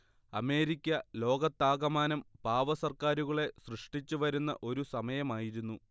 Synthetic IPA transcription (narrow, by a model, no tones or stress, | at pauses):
ɐ̰me̞ːɾikʲːɐlo̞ːɡɐt̪ːaːɡɐmaːnɐmpaːʋɐsɐrkaːɾuɣɐɭe̞srɨʂʈit͡ɕːuʋɐɾunːɐ̰ʔo̞ɾusɐmɐjɐmaːjiɾunːu